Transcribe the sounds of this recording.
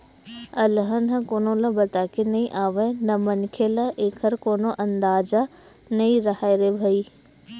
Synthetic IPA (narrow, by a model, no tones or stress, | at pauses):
ɐlɦənɦɐ̃koːnolɐbɐt̪aːkenɐĩʔaːʋenɐmɐnkʰelɐʔeːkʰəɾkoːnoʔɐ̃nd̪aːza | nɐĩɾɐɦaːeɾebʱɐiː